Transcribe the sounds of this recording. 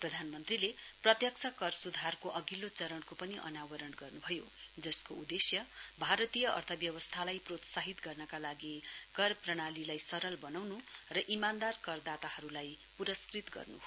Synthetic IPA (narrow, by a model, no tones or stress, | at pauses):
prʌd̪ʱanmʌnt̪rileprʌt̪jʌksʰakʌrsud̪ʱarkoʔʌɡilːot͡sʌɾʌɳkopʌniʔʌ̰nawʌɾʌnɡʌrnubʱʌjo | d͡zʌskoud̪esjʌbʱaɾʌt̪ijʌʔʌ̰rt̪ʰʌbjʌwʌst̪ʰalajprot̪saɦit̪ɡʌrnʌkalaɡikʌrprʌɽ̃alilajsʌɾʌlbʌnawnurʌʔimand̪arkʌrd̪at̪ahʌɾulaj | puɾʌskrit̪ɡʌ̰rnṵɦ